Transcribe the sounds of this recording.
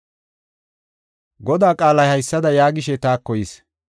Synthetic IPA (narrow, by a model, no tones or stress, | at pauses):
ɡɔd̪aːkʼaːlɐjhɐjsːɐd̪ɐjaːɡɪʃɛt̪aːkːɔjis